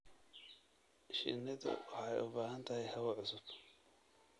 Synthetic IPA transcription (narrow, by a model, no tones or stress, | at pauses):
ʃɪ̰nɐðɐ̰wɑħɑjʊbaːɦɐnt̪ʰɐhɛjhɐwɐʕʊsʊb̥